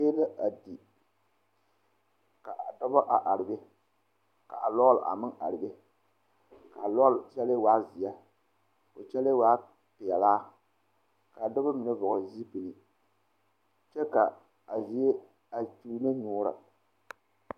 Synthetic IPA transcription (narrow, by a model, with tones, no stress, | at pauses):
eː˦la˦ʔa˨di˨ | ka˨ʔa˨dɔ˦ba˦ʔa˨ʔa˨ɾɪ˨be˦ | ka̰˨ʔa˨lɔː˦lʔa̰˨mɨ˦ŋʔa̰˨ɾɪ˨be˦ | ka˨lɔ˦lt͡ʃɛ˦le˦waː˦zi˨a˦ | ko˨t͡ʃɛ˦le˦waː˦ | pɪ˨ɛ˨laː˦ | ka˨dɔ˦ba˦mɨ˨nɨ˦vɔ˨ɣzi˦pi˨nɨ˨ | t͡ʃɛ˦ka˨ | a˨zi˨˦e˦ | a˨tuː˦na˦ɲuː˦ɾa̰˨